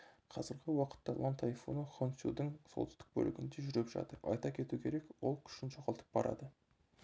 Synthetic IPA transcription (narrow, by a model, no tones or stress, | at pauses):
qʰɑzəɾɡʲɪwɑqə̥t̪ːɑlˠɑnt̪ʰɑjfonəχonsjṵd̪ɪŋso̞̰lt̪ɪ̥st̪ɪk̚bɵ̰lɪɡʲɪnd̪eʒʏɾepʒɑ̰t̪əɾɑ̰jt̪ɑkʲʰe̞t̪ukʲʰe̞ɾe̞kwo̞lˠkʲʰʏ̥ʃɪnʒoʁɑlˠt̪ʰə̥p̚bɑɾɑ̰d̪ə